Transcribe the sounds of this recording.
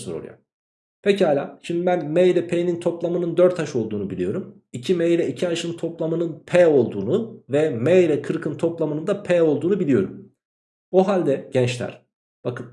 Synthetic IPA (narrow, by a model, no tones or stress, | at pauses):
ɯɾoɾ̰ja̰ | pʰecihaːlʲa̰ːʃimd̪ibænmejɾɛpʰejnint̪ʰo̞plˠamɯnɯnd̪øɾt̪ʰːaʃo̞lˠd̪uːnubilʲijo̞ɾum | icʰimejɾɛicʰiaʃɯnt̪ʰo̞plˠamɯnɯnpʰɛo̞lˠd̪uːnuvɛmejɾɛkʰɯɾkʰɯnt̪ʰo̞plˠamɯnɯnd̪apʰɛːo̞lˠd̪uːnubilʲijo̞ɾṵm | oɦalʲd̪ɛɟ̥ɛnt͡ʃlʲæ̰ɾ̥ | b̥akʰɯn